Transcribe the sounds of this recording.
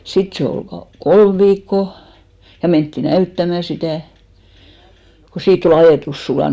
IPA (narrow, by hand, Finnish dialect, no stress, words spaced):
sit se ol kɑ kolm ʋiːkːo jɑ mentːi næytːæmæ sitæˑ ko siːtː ol ɑjeˑtus sulɑˑn